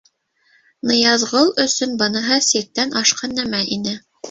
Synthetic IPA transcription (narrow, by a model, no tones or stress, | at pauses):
nɤ̆jɑzʁɤlˠɵ̆sɵnbɤ̆nɤ̆ɦɤsik̚t̪ːænʔɑʃqɑnːæmæʔinɘ